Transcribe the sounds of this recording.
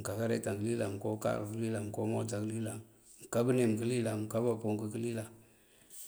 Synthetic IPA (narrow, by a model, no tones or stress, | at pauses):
m̩kakaɾetaŋɡəlilamkoka̰klilamkomod͡ʒaklila | mkabənemkəlilam̩kabapoŋkəkilila